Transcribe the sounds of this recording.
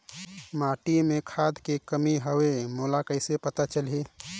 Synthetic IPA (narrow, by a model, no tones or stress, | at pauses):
maʈimẽkʰad̪kekəmiɦəwemolakəɪsepət̪at͡ʃəlɦi